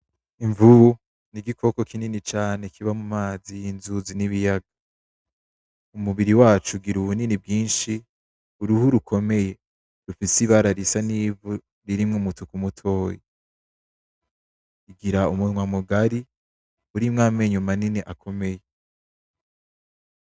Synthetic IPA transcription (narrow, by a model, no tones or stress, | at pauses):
iɱvuβu | niɡikʰo̞ko̞kininit͡ʃaːne̞kʰiβamumaːziinzuziniβijaɡa | umuβiɾiwaːt͡ʃuɡiɾuβuninibɡiːnʃi | uɾuhuɾukʰo̞me̞je̞ | ɾufisiβaɾaɾisaniːvu | ɾiɾimŋumutʰukumutʰo̞ːje | iɡiɾaumuŋwamuɡaɾi | uɾimŋaːme̞ɲumaniniʔakʰo̞me̞je